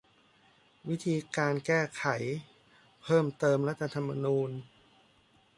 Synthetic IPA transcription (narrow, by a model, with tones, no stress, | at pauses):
wi˦˥t̪ʰiː˧kaː˧nkɛː˥˩kʰa˩˦j | pʰɤː˥˩mt̪ɤː˧mɾa˦˥t̪ʰːa˧t̪ʰa˧mːa̰˧nuː˧n